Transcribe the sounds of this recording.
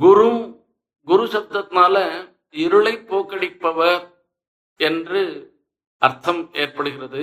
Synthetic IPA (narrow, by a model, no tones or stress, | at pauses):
ɡʊɾu | ɡʊɾʊsɐt̪ːɐt̪naːlɐ | ɪɾɯɭɐɪpːoːkːɐɽɪpːɐʋɐɾ | ɛndrɯ | ɐɾt̪ʰːɐmeːrpɐɽɯɣɪrɐðɯ